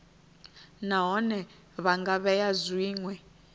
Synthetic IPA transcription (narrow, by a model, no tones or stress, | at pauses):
naɦɔnɛ | βaŋɡaβɛjazwiːŋwɛ